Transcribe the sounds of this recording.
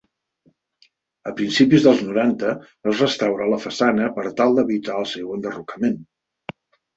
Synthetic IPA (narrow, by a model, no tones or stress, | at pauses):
əpɾinsipizðəlˠznuɾant̪əː | zrəst̪awɾaləfəsanəpəɾt̪alˠd̪əβit̪aəlˠsewənd̪ərukəmen